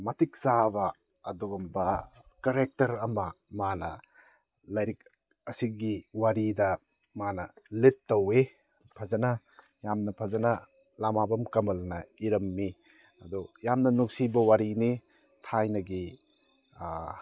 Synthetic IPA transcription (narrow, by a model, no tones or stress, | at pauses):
mɐtik̚zaβɐ | ɐduɡɐmbɐ | kɐɾek̚tɐɾɐmɐmanɐ̰ | lɐjɾik̚ | ɐsiɡiwaɾidɐ | manɐletːɐwe | pʰɐzɐnɐ | jamnɐpʰɐzɐnɐ | lamabɐmkɐmɐlnɐiɾɐmːi | ɐdujamnɐnuk̚sibɐwaɾini | tʰajnɐɡi